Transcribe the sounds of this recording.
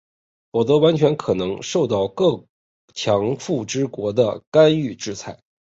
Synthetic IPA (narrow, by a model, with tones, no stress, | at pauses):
pɔ˨˩t̪ɤ˧˥wa˧˥nt͡ɕʰɥɛ˧˥nkʰɤ˨˩nɤ˧˥ŋʂo˥˧ʊt̪ɑ˥˧ʊkɤ˥˩ | t͡ɕʰjɑ˧˥ŋfu˥˩ʈ͡ʂɻ̩˥kwɔ˧˥d̪ə˧ka˥ny˥˧ʈ͡ʂɻ̩˥˧t͡sʰa˥˩ɪ